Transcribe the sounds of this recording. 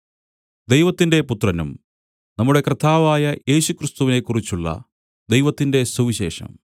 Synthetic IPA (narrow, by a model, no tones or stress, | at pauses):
d̪ejʋɐt̪ːinde̞put̪rɐnum | nɐmːuɽe̞krɐt̪ʰːaːʋaːjɐje̞ːɕukrist̪uʋine̞kːurit͡ɕːuɭːɐ̰ | d̪ejʋɐt̪ːinde̞suʋiɕe̞̰ːʂɐ̰m